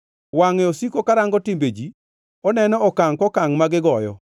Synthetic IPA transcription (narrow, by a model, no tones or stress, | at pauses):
waŋɛosikokaɾaŋɡɔtimbed͡ʒi | ɔnɛnɔɔkaŋkɔkaŋmaɡɪɡɔjɔ̰